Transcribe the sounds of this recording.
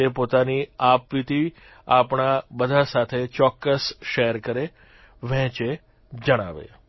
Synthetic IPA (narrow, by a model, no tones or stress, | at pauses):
epot̪aniapʋit̪i | apɳabəd̪ʱasat̪ʰet͡ʃɔkːəsʃeəɾkəɾe | ʋɛ̃t͡ʃe | d͡ʒəɽ̃aʋḛ